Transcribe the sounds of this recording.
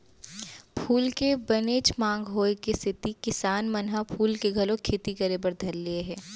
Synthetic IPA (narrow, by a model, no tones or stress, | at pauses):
pʰuːlkebɐneːt͡ʃmãːŋɡɦoːekest̪ʰɪt̪ikɪsaːnmɐnɦapʰuːlkeɡʱɐlõkʰeːt̪ikɐɾebəɾd̪ʱɐɾːieɦɛ̃ː